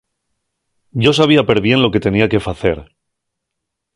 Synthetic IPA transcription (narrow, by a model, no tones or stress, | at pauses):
ɟ͡ʝo̞saβ̞iapeɾβje̞nlo̞ke̞t̪e̞niakefaθe̞̰ɾ